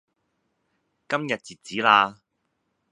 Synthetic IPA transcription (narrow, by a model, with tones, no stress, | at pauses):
kɐ˥mjɐ˨t̚t͡siː˨˩t̚t͡siː˨˥laː˧